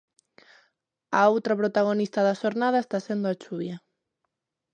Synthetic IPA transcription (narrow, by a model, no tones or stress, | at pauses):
aowt̪ɾɐpɾot̪aɣonist̪ɐðɐʃoɾnað̞ɐest̪asend̪oat͡ʃuβjɐ